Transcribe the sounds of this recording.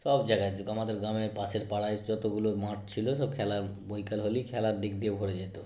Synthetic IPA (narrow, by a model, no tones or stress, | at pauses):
ʃɔbd͡ʑaɡaeɡamad̪eɾɡamepaseɾpaɽajd͡ʑɔt̪oɡuloɾmaʈt͡ɕʰiloʃɔb̚kʰɛlaɾbojkalɦolikʰɛlaɾd̪ik̚d̪ewɡʱoɽed͡ʑet̪o